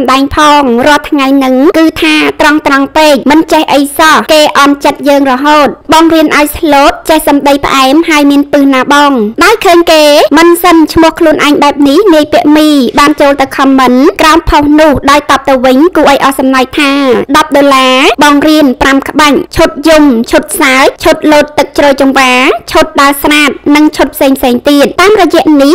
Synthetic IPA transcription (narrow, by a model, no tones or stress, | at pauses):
mɗaɛŋpʰɑːŋrŏəlt̪ʰŋajnɨŋkɨːt̪ʰaːt̪rɑŋt̪rɑŋpeːk̚mɨnt͡ɕehʔəjsɑhkeːʔɑnt͡ɕət̪̚jəːŋrɔɦoːt̪̚ɓɑːŋriənʔaɔjsloːt̪̚t͡ɕehsɑmɗəjpə̆ʔaɛmhaɔjmiənpɨhnaːɓɑːŋɗaɔjkʰəːɲkeːmɨnsənt͡ɕʰmʊ̆əhkʰluənʔaɛŋɓaɛp̚nihniəjpiəʔmiːɓaːnt͡ɕoːlt̪ɨwkʰɑmːɨnkraɔmpʰohnʊəhɗaɔjt̪ɑp̚t̪ɨwʋɨɲkuːʔaɔjʔɑhsɑmnaj̚t̪ʰaːɗɑp̚ɗoːlaːɓɑːŋriənpramkə̆ɓaɲ̚t͡ɕʰot̪̚jumt͡ɕʰut̪̚saət͡ɕʰot̪̚loːt̪̚ːɨk̚t͡ɕroːjt͡ɕɑmʋaːt͡ɕʰot̪̚ɗaɔsraːt̪̚nɨŋt͡ɕʰut̪̚pʰseːŋpʰseːŋt̪iət̪̚t̪aːmrɔjɛ̆əʔnih